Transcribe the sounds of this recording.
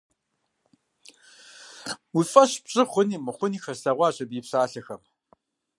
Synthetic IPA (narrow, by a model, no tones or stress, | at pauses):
wifʼɐɕbɕʼɪχʷʊniːmɨχʷʊniːxɐrsɐʁʷɑːɕɐbiːpɕaːɬɐxɐm